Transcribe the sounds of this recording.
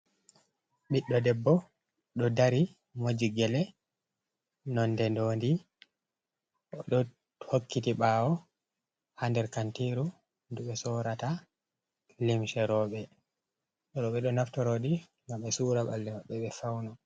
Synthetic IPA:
ɓiɗːɔdɛbːɔ | ɗɔdaɾi | mod͡ʒiɡɛlɛ | nɔndɛndoːndi | ɔɗɔ | hokːitiɓawɔ | handɛɾkantiɾu | nduɓɛsɔːɾata | limʃɛɾɔɓɛ | ɾɔɓɛɗɔnaftɔɾoɗi | ŋɡamɓɛsuɾaɓa̰lːɛmaɓːɛɓɛfawnɔ

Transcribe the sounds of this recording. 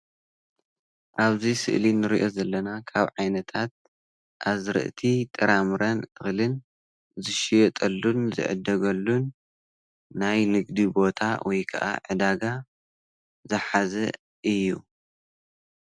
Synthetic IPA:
ʔaβzisɨ̰ʔlinɨɾiʔo̞zɐlːɐnakʰaβʕajnɐt̪ʰat̪̚ | ʔazɾɨ̰ʔt̪ʰit̪ʼɨɾamɾɐnʔɨxlɨn | zɨʃijɛt̪ʼɐlːunzɨ̰ʕɨ̰d̪ːɐɡɐlːunː | ajnɨɡd̪ibo̞t̪ʰawʔɔjkʰɐʔa̰ʕɨd̪aɡa | zɐħazɐ | ʔɨjːu

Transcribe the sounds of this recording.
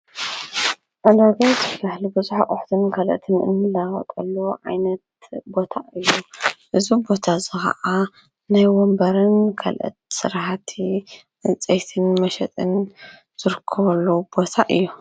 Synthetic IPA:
ʔad̪aɡ̪azɨbahlubɨzuħaʔʼʊħt̪ʰɨnkʰɐlʔɨ̰t̪ʰɨnɨ̰nːɨlːawɐ̰t̪ʼɐlːuʕa̰jnɐt̪̚bo̞t̪ʰaʔɨjːuʔɨzubo̞t̪ʰazɨxɐ̰ʔa | najwɔmbɐɾɨnkʰɐ̰lʔɐ̰t̪̚sɨɾħat̪ʰi | ʔɨnt͡sʼejt̪ʰɨnmɐʃɛt̪ʼɨn | z̥ɨɾɨkʰːɐβɐlːub̥o̞t̪ʰaʔɨjːu

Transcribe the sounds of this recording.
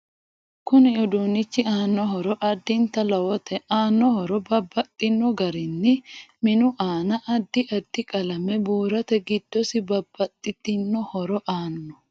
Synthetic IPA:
kʊnɪɔd̪uːnɪt͡ʃːɪaːnːɔɦɔɾɔʔɐd̪ːɪnt̪ɐlɐwɔt̪ɛʔaːnːɔhɔɾɔbɐbːɐt̪ʼːɪnːɔɡɐɾɪnːɪmɪnʊʔaːnɐʔɐd̪ːɪʔɐd̪ːɪkʼɐlɐmɛbuːɾɐt̪ɛɡɪd̪̥ːɔsɪbɐb̥ːɐt̪ʼːɪt̪ɪnːɔhɔɾɔʔaːnːɔ

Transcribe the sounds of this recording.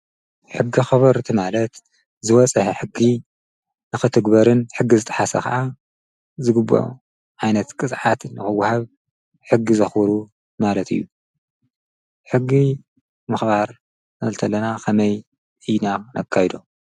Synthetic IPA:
ħɨɡːixɐβɐɾt̪ʰimalɐt̪ | zɨwɐt͡sʼɐħeħɨɡːi | nɨxɨt̪ʰɨɡbɐɾɨnħɨɡːizɨt̪ʼɐ̥ħasɐ̰kʰa̰ʔa | zɨɡɨbo̰ | ʕajnɐt̪kʼɨsʼʕat̪nːɨxɨwːhaβ | ħɨɡːizɐxbɨɾu | malɐt̪ʰɨ̰jːu | ħɨɡːi | mɨxbaɾ | nɐlt̪ʰɐlːɐnakʰɐmɐj | ʔɨjnanʔɐ̰kʰːajd̪o̞

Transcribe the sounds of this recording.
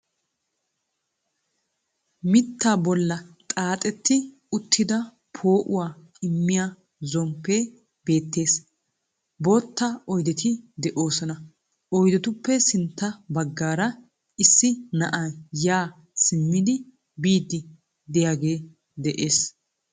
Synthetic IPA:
mɪt̪ːaːbɔlːɐt̪ʼaːt̪ʼɛt̪ːɪ | ʊt̪ʰːɪd̪ɐ | pʰoːʔʊwaː | ɪmːɪja | zɔmpːe̞ː | be̞ːt̪ːe̞ːs | bo̞ːt̪ːaʔɔjd̪ɛt̪ɪd̪ɛʔoːsɔnɐ | ʔɔjd̪ɛt̪ʊpːɛsɪnt̪ːɐbɐɡːaːɾɐ | ɪsːɪnɐʔajaː | sɪmːɪd̪ɪ | biːd̪ːɪ | d̪ɛjaːɡe̞ː | d̪ɛʔe̞ːs

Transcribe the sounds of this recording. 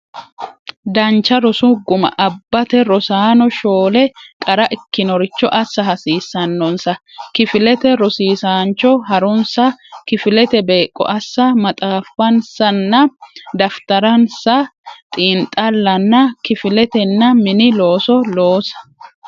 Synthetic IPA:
d̪ɐnt͡ʃːɐɾɔsʊɡʊmɐ̰ʔɐbːɐt̪ɛɾɔsaːnɔʃoːlɛkʼɐɾɐʔɪkːɪnɔɾɪt͡ʃːɔʔɐsːɐɦɐsiːsːɐnːɔnsɐkɪfɪlɛt̪ɛɾɔsiːsaːnt͡ʃːɔɦɐɾɔnsɐkɪfɪlɛt̪ɛbeːkʼːɔ̰ʔɐsːɐmɐt̪ʼaːfːɐnsɐnːɐd̪ɐft̪ɐɾɐnsɐt̪ʼiːnt̪ʼɐlːɐnːɐkɪfɪlɛt̪ɛnːɐmɪnɪlo̞ːsɔlo̞ːsɐ̥

